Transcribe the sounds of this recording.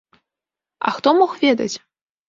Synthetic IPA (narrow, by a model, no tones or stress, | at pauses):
ɐ̰xt̪ɔmɔxvʲɛd̪ɐ̰t͡sʲ